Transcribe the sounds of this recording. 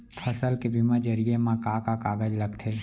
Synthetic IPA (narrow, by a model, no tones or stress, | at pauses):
pʰəsəlkebʱimãd͡ʒəɾijemãkakakaːɡəd͡ʒləɡt̪ʰeː